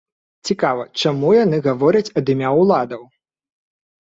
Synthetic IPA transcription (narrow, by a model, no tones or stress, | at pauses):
t͡sʲikavɐt͡ʂamujanɨɣavɔɾɐt͡sʲɐd̪ɨmʲawlˠad̪ɐw